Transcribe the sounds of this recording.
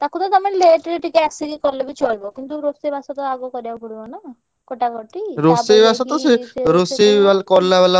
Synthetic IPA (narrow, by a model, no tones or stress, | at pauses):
t̪akot̪ɔt̪ameleʈɾeʈikeɛksiɡikɔɾlebit͡ʃolbɔkint̪uɾosebʱasɔt̪ɔaɡokɔɾibapɔɽibɔna | koʈakɔʈiɾosejbasat̪ɔseɾosebalkɔɾlaβɛla